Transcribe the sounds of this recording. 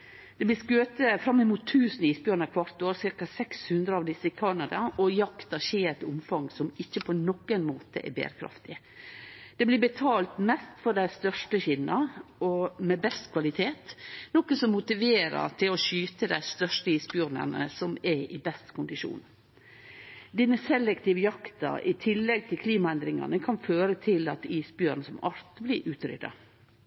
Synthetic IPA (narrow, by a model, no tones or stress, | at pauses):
d̪̥ɛblɪskøːt̪əfɾɑmːɪmuːt̪ʰːʉːsniːsbjʉːɾnəkʰʋɑɾt̪oːɾsɪɾkɑsɛkshʉnd̪ɾəɑʋd̪ɪsəɪkʰɑnɑd̪ɑʔɔjɑkt̪ɑʃeːɾt̪ʊmfɑŋsɔmɪçːəpʰɔnɔkːənmoːt̪ə̰ʔɛ̰bḛːɾəkʰɾɑ̰ft̪ɪ | d̪̥ɛblɪbət̪ʰɑːlt̪mɛst̪fɔɖæɪst̪œʂʈəçɪnːɑɔmɛbɛst̪kʰʋɑlɪt̪ʰeːt̪nɔkəsɔmːʊt̪ɪʋeːɾɑ̰ʈ̪ʰɪlɔʃyːt̪əd̪æɪst̪œʂtəiːsbjʉːɾnə̰nə̰sɔmɛɪbɛst̪kʰʊnd̪ɪʃṵːn | d̪iːnəsɛlːɛkt̪ɪːʋəjɑkt̪ɑ̰ɾɪt̪ʰɪlːɛɡ̚t̪ʰɪlkʰliːmɑɛnd̪ɾɪŋɑ̰nəkʰɑnføːɾət̪ʰɪlɑt̪iːsbjøːɾnsɔmɑɾt̪blɪɾʔʉːt̪ɾʏ̰d̪ɑ̰